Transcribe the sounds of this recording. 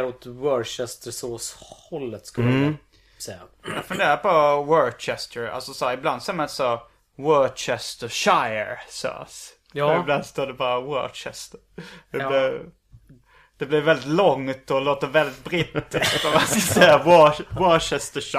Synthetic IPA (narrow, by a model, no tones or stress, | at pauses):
ɾɔt̪wœɾʃɛst̪əsoːshɔlːət̪skɵl | sɛjːa | jafɵnd̪eːɾapɔwœɾt͡ʃɛst̪ʰəɾa̰lsɔsæːɾɪbland̪sɛːmanasɔ | wœt͡ʃɛst̪əʃaɪə̰ɾsɛ̰s | ɪbland̪st̪oːɖɛbɑːɾawɔ̰t͡ʃɛ̰st̪əɾd̪̥ɛlɪɾ | d̪̥ɛblɪɾvɛld̪ɪt̪lɔŋːt̪ɔloːt̪əvɛld̪ɪt̪̚bɾit̪ːɪsksɔmanskasɛjawɔwœt͡ʃɛst̪ə